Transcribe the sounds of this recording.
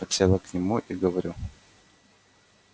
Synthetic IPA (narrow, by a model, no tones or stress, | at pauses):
ɐtʲsʲelˠəknʲɪmuʔiɡəvɐɾʲu